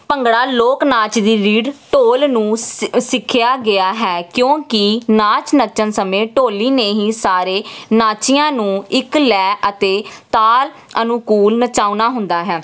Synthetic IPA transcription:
pəŋɡɽaːloːknaːt͡ʃd̪iːɾiːɖʈoːlnũːsɪkʰːɪjaːɡɪaːɦɛːkjõːkɪnaːt͡ʃnət͡ʃənsəmẽːʈoːliːneːɦiːsaːɾeːnaːt͡ʃɪjãːnũːɪklɛːʔət̪eːt̪aːl | ənũkuːlnət͡ʃaːunaːɦʊ̃nd̪aːɦɛː

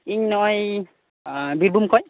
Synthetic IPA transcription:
iɲnɔj | abiɾbumkɔj

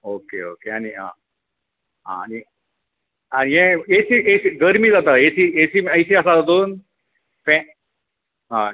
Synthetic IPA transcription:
okḛo̰keaniã̰ | ɦã̰ani | aniɦẽesiʔesiɡəɾmid͡zat̪aesiesiməjsiasad͡zad̪uːn | fɛ̃ | ɦa

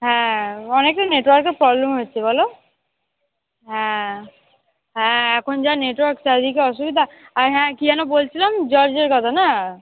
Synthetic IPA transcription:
ɦɛ̃ɔnekʈaneʈwɔɾkeɾpɾɔblemɦotːt͡ɕʰebɔlo | ɦɛ̃ | ɦɛ̃ɛkʰond͡ʑaneʈwaɾksad̪ʱikeɔʃ̬ubid̪ʱaaɾɦɛ̃kiɛnobolt͡ɕʰilamd͡ʑɔɾd͡ʑeɾkɔt̪ʰana

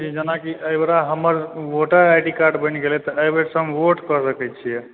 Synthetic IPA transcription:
t͡ʃid͡ʒənakiəjbɾaɦəməɾʋoʈəɾajʈikaɾɖbəniɡelet̪ɔəjbeɾsəmʋoʈkəsəkɛjt͡ʃʰijɛ

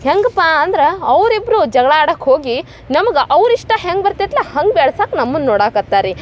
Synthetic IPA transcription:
heŋɡpaːɐnd̪ɾeɐʋɾibɾud͡ʒɐɡɐɭɐaːɽɐkhoːɡi | nɐmɐɡeʔɐʋɾiʂʈɐɦeŋɡ̚bɐɾt̪et̪lahɐŋɡbeːɭsaːknɐmːunːoːɽaːkɐt̪ːaːɾi

